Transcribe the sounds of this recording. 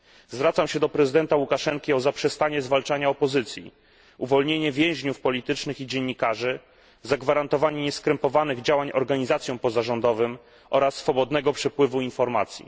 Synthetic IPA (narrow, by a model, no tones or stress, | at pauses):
zvɾat̪samɕɛd̪ɔpɾɛzɘd̪ɛnt̪awukaʂɛŋkʲiɔzapʂɛst̪aɲɛzvalt͡ʂaɲaɔpɔzɘt̪sʲjḭ | uvɔlɲeɲɛvʲjɛ̃w̃ʑɲufpɔlʲit̪ɘt͡ʂnɘxid͡ʑɛɲːikaʐɘ | zaɡvaɾant̪ɔvaɲɛɲɛskɾɛmpɔvanɘɣd͡ʑawaɲʔɔɾɡaɲizat̪sjɔ̃w̃pɔzaʐɔnd̪ɔvɘm | ʔɔɾasːfɔbɔd̪nɛɡɔpʂɛpwɘvuinfɔɾmat̪sʲjḭ